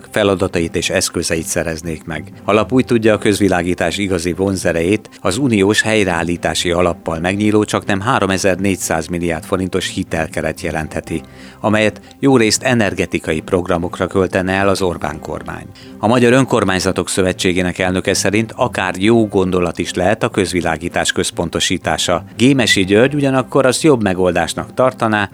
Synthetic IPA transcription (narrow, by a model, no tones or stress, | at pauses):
fɛlɒd̪ɒt̪ɒjit̪eːʃɛskøzɛjit̪sɛɾɛzneːkmɛ̰ɡ | ɒlɒpuːjt̪uɟːɒːkø̞zʋilaːɡiːt̪aːʃiɡɒzivonzɛɾɛjeːt̪ | ɒzunioːʃhɛjrɛa̰ːlːiːt̪a̰ːʃiɒlɒpːɒlmɛɡɲiːloːt͡ʃɒknɛmɦaːɾo̞mɛzɛrneːcsaːzmilija̰ːrt̪fo̞ɾint̪o̞ʃhit̪ɛlkɛɾɛt̪jɛlɛnt̪hɛt̪i | ɒmɛjɛt̪ | joːɾeːst̪ɛnɛrɡɛt̪ikɒjipro̞ɡrɒmo̞krɒkø̞lt̪ɛnɛɛlɒzo̞rba̰ːŋko̞̰rma̰ːɲ | ɒmɒɟɒɾø̞ŋko̞rmaːɲzɒt̪o̞ksø̞vɛt͡ʃːeːɡeːnɛkɛlnø̞kɛsɛɾint̪ʰɒkaːrjoːɡo̞nd̪olɒt̪iʃlɛɦɛt̪ɒkø̞zʋila̰ːɡiːt̪aːʃkø̞spo̞nt̪o̞ʃiːt̪a̰ːʃɒɡeːmɛʃiɟørɟuɟɒnɒkːo̞ɾɒzjo̞bmɛɡo̞ld̪aːʃnɒkt̪ɒrt̪ɒnaː